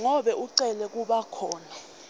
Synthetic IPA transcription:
ŋɔɓɛʔuǀɛlɛk̬uɓakʰɔːnɛ

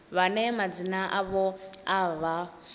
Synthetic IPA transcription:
βanɛmad͡zinaʔaβɔaβa

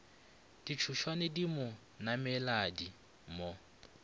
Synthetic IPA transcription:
d̥it͡ʃʰuʃwanɛdimʊ | namɛladi | mo

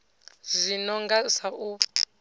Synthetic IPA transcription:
zʷinɔŋɡasaʔu

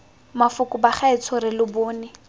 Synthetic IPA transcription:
mafʊkʼʊbaχɛɪt͡sʰɔɾɪlʊbʊːnɪ

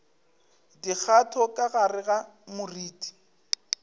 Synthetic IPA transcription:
dik͡xʰatʰɔkʼaɣarɪɣamʊriːdi̥

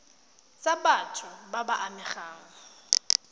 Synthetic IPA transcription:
t͡sabatʰʊbabaʔamɪχaːŋ̩

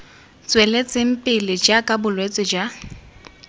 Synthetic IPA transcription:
t͡sʼwelet͡sʼɪŋ̩pʼɪlɪd͡ʒakʼabʊlwet͡sʼɪd͡ʒa

